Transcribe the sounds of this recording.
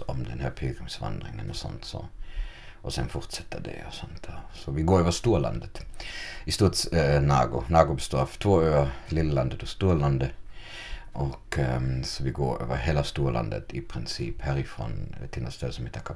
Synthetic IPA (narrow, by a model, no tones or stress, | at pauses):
ɔmd̪ɛnhæːɾpʰeːɡɾɪŋsʋɑ̰nd̪ɾɪ̰ŋənɔsɔ̰nt̪sɔ̰ | ɔsɛnfɔɾt̪sɛt̪ʰːəd̪ɛ̰ɔ̰sɔnt̪ʰsɔʋɪɡoːɾøːʋəst̪uːlɑ̰nd̪ət̪ɪst̪uːt̪snɑ̰ːɡʊnɑːɡʊbəst̪oːft̪ʰʋoːɾøːəlɪlːəlɑnd̪ət̪ɔst̪uːlɑnd̪ə | ʔɔksɔʋɪɡoːɾø̰ːʋəɦeːlast̪uːlʔɑ̰nd̪ə̰t̪ɪpʰɾɪnsiːphæːɾɪfɾo̰ːnt̪ʰɪlɛst̪øːsɔmɛt̪ʰːɑkʰɑ